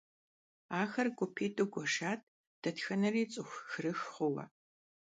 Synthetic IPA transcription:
aːxɐrɡʷʊpʰeːtʼoɡʷɔʂaːtʰʼ | d̥ɐtxɐnɐriːt͡sʼɨxʷxɨrɨxχʷʊwɐ̰

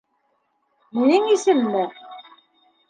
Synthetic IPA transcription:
minɘŋisɘ̆mːɘ

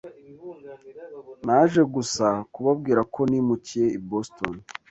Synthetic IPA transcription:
naʒe̞ɡusakuβab̚ɡiːɾakʰo̞nimucije̞iboston

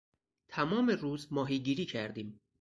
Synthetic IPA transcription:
t̪ʰæmɒːmeruːzmɒːɦiːɟiːɾiːcʰæɾd̪iːm

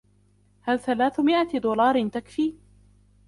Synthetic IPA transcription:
halθalaːθmɪʔad̪uːlɑːɾˤɪnt̪akfiː

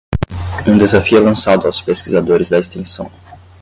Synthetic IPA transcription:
ũd̪ezafiʊlɐ̃sad̪ʊawspeskizad̪oɾɪzd̪ɐest̪ẽsɐ̃w̃

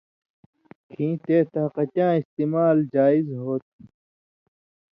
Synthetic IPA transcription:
kʰĩːt̪eːt̪ɐqɐtãːist̪imaːld͡ʑaːizɦoːt̪̚

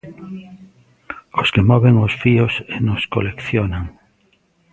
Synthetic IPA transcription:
oskemɔβeŋosfiosenoskolekθjonãŋ

